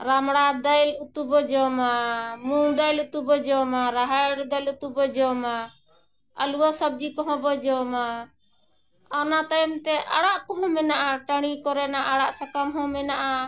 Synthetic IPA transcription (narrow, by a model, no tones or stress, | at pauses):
ɾamɽad̪ajlut̪ubɔd͡ʒɔmamud̪ajlut̪ubɔd͡ʒɔmaɾaɦajɽd̪ajlut̪ubɔd͡ʒɔma | ə̰luwɔsəb̚d͡ʒikɔɦɔ̃bɔd͡ʒɔma | ɔnat̪ajɛmt̪ɛʔaɽaʔkɔɦɔ̃mɛnaʔaʈaɽ̃ikɔɾɛnaʔaɽaʔsakamɦɔ̃mɛnaʔa